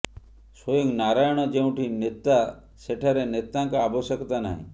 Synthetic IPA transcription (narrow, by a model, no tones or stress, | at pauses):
sojĩŋɡnaɾajɳ̃od͡ʒẽũʈʰinet̪ːa | seʈʰaɾenet̪ːãŋkaːbɔsəkt̪ana̰ɦḭ̃